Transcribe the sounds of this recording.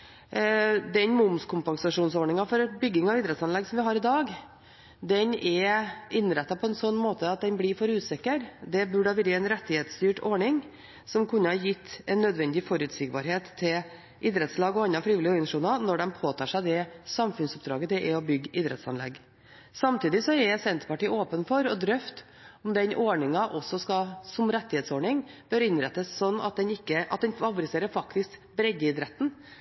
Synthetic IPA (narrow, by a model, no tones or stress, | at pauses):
d̪ɛnmʊmskʰʊmpɑŋsɑʂuːnsɔɳɪŋɑfɔɾbʏɡːɪŋɑʋɪːd̪ɾɛt̪sɑnlɛɡsɔmʋɪɦɑːɾɪd̪ɑːɡ | d̪ɛnʔɛɪnːɾɛt̪ːɑpʰɔɛnsɔnːmoːt̪ʰəɑt̪̚d̪ɛnblɪɾfɔɾʉːsɪkːəɾd̪ɛbʉɖɑʋɪɾəɛɪnɾɛt̪ːɪheːt̪st̪yːʈɔɳɪŋ | sɔmkʰʉnːəhɑjɪt̪ːɛnːœd̪ʋɛnd̪ɪfɔɾʉːt̪sɪɡbɑɾɦeːt̪ʰːɪl | ʔɪd̪ɾɛt̪slɑːɡɔɑnːɑfɾiːʋɪlɪɪnʂuːnɑnɔɖɛmpʰoːt̪ʰɑːʂæɪd̪ɛsɑmfʉnsʊp̚d̪ɾɑ̰ːɡət̪ʰɪʔɛɔbʏɡɪd̪ɾɛ̰t̪sɑ̰nlɛ̰ɡ | sɑmt̪ʰiːd̪ɪsɔɛsɛnt̪ə̥pɑʈiːoːpənfɔɾɔd̪ɾœft̪ | ʊmd̪ɛnʔɔɳɪŋɑʔɔsːɔskɑsɔmɾɛt̪ːɪheːt̪sɔɳɪŋb̥œɾɪnɾɛt̪ːəssɔnːɑ̰t̪̚d̪ɛnɪkːəʔɑt̪̚d̪ɛnʋɑlʋʊɾɪseːɾəɾfɑkt̪ɪskbɾɛɡːəɪd̪ɾɛt̪ːn̩